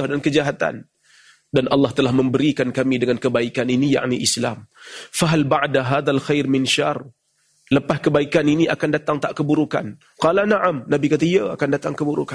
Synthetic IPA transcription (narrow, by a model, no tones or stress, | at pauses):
ahdankəd͡ʒaɦat̪a̰n | danʔɑlːɑht̪əlahmə̃mbəɾikankamidəŋankəbaikaninija̰ʔniʔisla̰mfaɦalbaʕdaɦaðalxajrmɪnʃar | ləpahkəbaikaniniakandat̪aŋt̪aʔkəbuɾuka̰n | qɑlanaʕamnabikat̪aiəa̰kandat̪aŋkəbuɾṵka